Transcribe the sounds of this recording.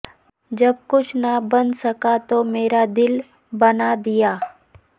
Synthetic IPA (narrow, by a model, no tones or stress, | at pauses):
d͡ʒɐb̚kʊt͡ʃʰnɐbɐ̃nsɐkat̪omeːɾad̪ɪl | bɐnad̪ijaː